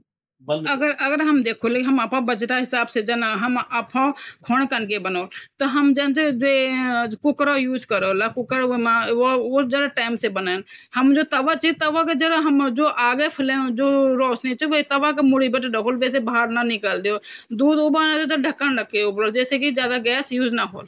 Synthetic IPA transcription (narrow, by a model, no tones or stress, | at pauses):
ɐɡəɾɐɡəɾɦɐmd̪eːkʰoːlkeɦɐmapãːbəd͡ʒʈ̪aɦɪsaːbseːd͡ʒɐnaɦɐmaːpʰãːkʰoːɳ̃kənkebənoːlt̪ɐɦɐmd͡ʒɐnd͡ʒed͡ʒoekʊkɾoːjuːzkəɾoːlaːkʊkɾmãːoːd͡ʒəɾaʈaːɪmseːbənaːn | həmd͡ʒoːt̪ɐʋaːt͡ʃet̪əʋãked͡ʒəɽaɦəmd͡ʒoːʔaːɡepʰɪlend͡ʒoːɾoːsnĩːt͡ʃːʋot̪ɐʋãːkemʊɽiːbəʈɖəkʰoːlʋeːsebaɦaɾnanɪkaːld̪ɪjoː | d̪uːd̪oːbaːnãt̪od͡ʒ̪aɖʱəkːənɖəkeobəloːld͡ʒeːseːkid͡ʒjaːd̪aɡɛsjuːznaːɦo̰ːl